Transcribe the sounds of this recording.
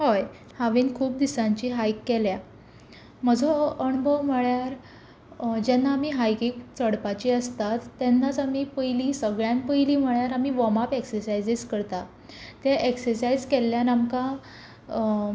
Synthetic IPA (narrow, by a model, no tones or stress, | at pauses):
hɔj | haʋiːnkʰuːp̚d̪isãɲt͡ɕiɦajkːɛlja | m̤əd͡zoəɳbəwm̤əɭjaɾ | d͡ʑɛnːaːmiːɦajkikt͡səɽpat͡ɕiəst̪at̪ːjɛnːat͡samiːpəjliːsəɡɭjãnpəjliːm̤əɭjaɾamiːʋɔmapeksəɾsajd͡ziskəɾt̪a | t̪jaʔeksəɾsajd͡zkɛlːjanamka